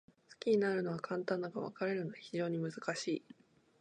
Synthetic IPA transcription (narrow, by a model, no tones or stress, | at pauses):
sɨ̥kʲiɲinaɾɯ̟no̞βakʰãnt̪ãnːaɡaβa̰kaɾe̞ɾɯ̟noaçiʑo̞ːɲ̟imɯ̟zɨkaɕiː